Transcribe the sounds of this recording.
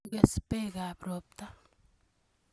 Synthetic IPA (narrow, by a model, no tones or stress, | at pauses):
ɡespeɡaːpɾoːp̚t̪a